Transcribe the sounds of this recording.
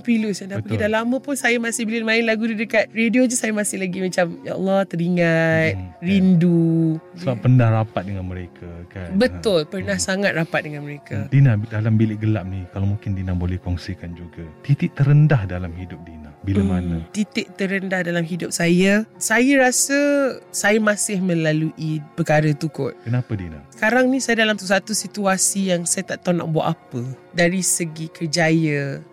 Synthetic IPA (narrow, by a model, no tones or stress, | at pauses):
pilʊsandapəɡidanlamə̃pʊnsajamasɪbililmaɪnlaɡudidəkat̪̚rediod͡ʒusajəmasɪhlaɡimat͡ʃamja̰ɔ̰lːɔht̪əɾiŋat̪̚rindusəbapːəndahrapat̪̚dəŋanməɾekʰakanbət̪ʊlpərnahsaŋat̪̚rapat̪̚dəŋanməɾekadinadalambilɪʔɡəla̰p̚nikalomũŋkɪndinabolɛhkɔŋsikand͡ʒuɡat̪it̪ɪʔ̚t̪əɾəndahdalamɦidʊp̚dinabiləmanət̪it̪ɪʔ̚t̪əɾəndahdalamɦidʊp̚sajəsajəɾasəsajəmãsɪhmə̃laluʔipəkaɾət̪ukʊt̪̚kənapədinasə̥kaɾaŋnĩsajədalamt̪usat̪usit̪uasijaŋsajat̪aʔt̪ana̰k̚bua̰ʔapədaɾisəɡikərd͡ʒajə